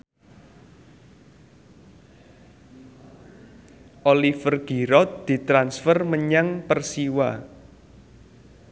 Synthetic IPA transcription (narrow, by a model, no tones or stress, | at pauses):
ʔolifərɡ̥iɾɔt̪̚d̪̥i̤t̪ɾansfərməɲaŋpərsiwa